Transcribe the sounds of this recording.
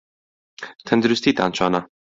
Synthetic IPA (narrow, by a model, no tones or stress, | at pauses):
t̪ʰɐnd̪uɾust̪iːt̪a̰ːnt͡ʃʰaːnɐ